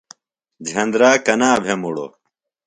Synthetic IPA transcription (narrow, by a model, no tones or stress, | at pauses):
d͡ʑʱɐnd̪ɾaːkɐnaːbʱemuɽo̰